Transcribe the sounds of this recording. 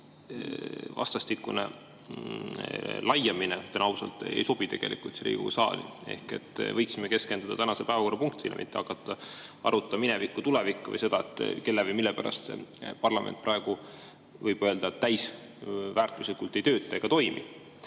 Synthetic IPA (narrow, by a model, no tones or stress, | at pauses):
vɑ̰st̪ɑst̪ikːˑunḛ | lɑjɑminet̪enɑusɑlt̪ːˑejso̞b̥it̪e̞ɡ̥e̞lḭkːˑult̪seɾḭːɡṵsɑ̰ːlḭe̞̰hkḛt̪ːˑvɤjksimeke̞ske̞nd̪̥ud̪ɑt̪ænɑsepæevɑko̞rːɑpuŋkt̪ilʔemḭt̪ːɑkːˑɑt̪ːˑɑɑ̰ɾut̪ːˑɑminɛvikːut̪ulɛvikːuvɤ̰jse̞d̪̥ɑet̪ːˑke̞lːevəjmilːepæɾʔɑ̰st̪sḛpɑrlɑmʔent̪prʔɑeɡ̥u | vɤjb̥ø̞ːld̪̥ɑet̪ːæjs | væːrt̪ˑuslikult̪ˑːe̞jt̪ø̞ːt̪ˑːeeɡ̥ɑt̪o̞jmḭ